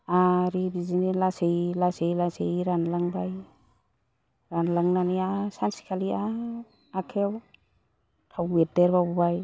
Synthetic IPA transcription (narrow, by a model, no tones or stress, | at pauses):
aɾibizinilasejlasejlasejɾanlaŋbaj | ɾanlaŋnaniasansi̥kʰalia | akʰew | tʰawedeɾbabubaj